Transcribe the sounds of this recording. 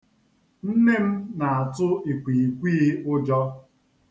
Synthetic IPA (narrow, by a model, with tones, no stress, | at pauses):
n̩˦ne˦m̩˦na˨a˨tʊ˦i˨kʷi˨i˨kʷiː˦ʊ˦d͡ʒɔ˦